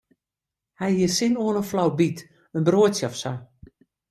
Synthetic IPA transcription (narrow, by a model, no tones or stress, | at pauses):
hɛjhiəsɪnoənəflawbit | ənbroətsjɔfsa